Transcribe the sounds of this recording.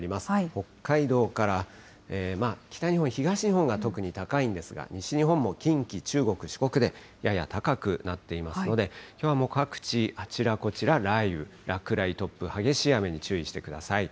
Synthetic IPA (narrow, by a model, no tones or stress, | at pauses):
ɾʲimasɨ̥ho̞kːaid̪o̞ːkaɾa | eːmakʲi̥t̪aɲ̟ihõçiɡaɕiɲiɦõ̞ŋɡat̪o̞kɯ̟ɲ̟it̪akaĩnd̪e̞sɨɡa̰ɲ̟iɕiɲ̟iɦõ̞mːo̞kʲĩŋkʲit͡ɕɨːɡo̞kɯ̟ɕi̥ko̞kɯ̟d̪e̞ | jaja̰t̪akakɯ̟nat̪ːe̞imasɨno̞d̪e̞kʲo̞ːβamo̞kakɯ̟̥t͡ɕiat͡ɕiɾako̞t͡ɕiɾaɾaiɯ̟ɾakɯ̟ɾait̪o̞pːɯ̟haɡe̞ɕijame̞ɲ̟it͡ɕɨːiɕi̥t̪e̞kɯ̟d̪asai